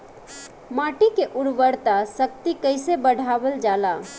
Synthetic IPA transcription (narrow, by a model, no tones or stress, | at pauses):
maːʈikeʔʊɽʋəɽt̪asək̚t̪ikəɪsebəɽ̤ʱaːbəld͡ʒaːla